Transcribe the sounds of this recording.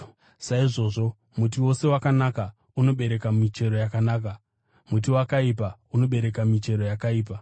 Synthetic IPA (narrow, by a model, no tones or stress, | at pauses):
saiʐo̞ːʐo̞ | mut̬iwo̞se̞wakanaka | uno̞ɓe̞ɾe̞kamit͡ʃe̞ɾo̞jakanaːk̬a | mut̬iwakaipauno̞ɓe̞ɾe̞kamit͡ʃe̞ɾo̞jakaiːpa